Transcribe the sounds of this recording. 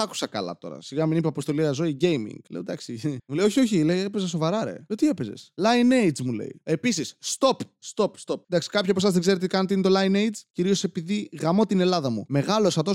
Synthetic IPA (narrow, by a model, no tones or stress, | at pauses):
ɐku̥sɐkɐ̰lɐ̰t̪o̞̰ɾɐ̰siɣɐminipeɐpost̪o̞liɐzo̞iɟe̞jmḭŋɡ̥leod̪ɐksimulejo̞çio̞çileiepezɐs̬ovɐɾɐɾe̞̰ot̪ie̞pe̞ze̞̰slɐinejd͡zmule̞̰ḭe̞pisisːt̪o̞pst̪o̞pst̪o̞p̪̚d̪ɐksi̥kɐpçiɐposɐzðeɡzeɾet̪ikɐnet̪int̪o̞lɐinejd͡zciɾio̞se̞piðiɣɐmo̞t̪ine̞lɐðɐmume̞ɣɐlosɐt̪o